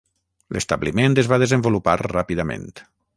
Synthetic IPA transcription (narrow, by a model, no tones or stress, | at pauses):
lʔəst̪aβliment̪əzβað̞ezəmbuluparrapiðamḛ̃nt̪